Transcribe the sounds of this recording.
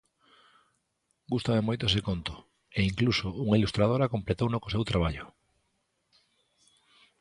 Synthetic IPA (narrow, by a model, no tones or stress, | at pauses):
ɡust̪amemojt̪oes̬ekont̪o̥ | eiŋklusouŋailust̪ɾað̞oɾakomplet̪ownokosewt̪ɾaβaʎʊ